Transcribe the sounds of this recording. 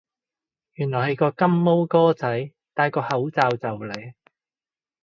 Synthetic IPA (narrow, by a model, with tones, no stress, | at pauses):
jyː˨˩nlɔː˨˩jhɐ˨˧jkɔː˧kɐ˥mːo˥wkɔː˥t͡sɐ˨˥j | t̪aː˧jkɔː˧hɐ˨˥wt͡saː˨˧wt͡sɐ˨wle˨˥j